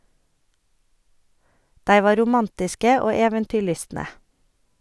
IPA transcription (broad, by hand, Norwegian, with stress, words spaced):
ˈdæɪ ˈʋɑː ɾʊˈmɑntɪskə ˈoː ˈeːʋəntʏˌɭʏstnə